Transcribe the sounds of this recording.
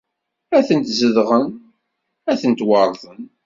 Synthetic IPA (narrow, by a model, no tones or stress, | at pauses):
æθənt̪zəðʁən | æθənt̪wɑɾˤðˤən